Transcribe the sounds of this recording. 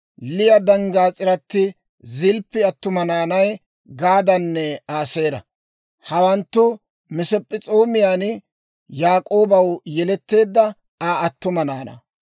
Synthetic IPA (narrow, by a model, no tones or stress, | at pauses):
lɪjɐd̪ɐŋɡaːt͡sʼɪɾɐt̪ːɪ | zɪlpːɪɐt̪ːʊmɐnaːnɐj | ɡaːd̪ɐnːɛaːseːɾɐ̰ | hɐwɐnt̪ːʊ | mɪsɛpʼːɪt͡sʼo̞ːmɪjaːn | jaːkʼo̞ːbɐwjɛlɛt̪ːe̞ːd̪ːɐ | aːɐt̪ːʊmɐnaːnɐ̰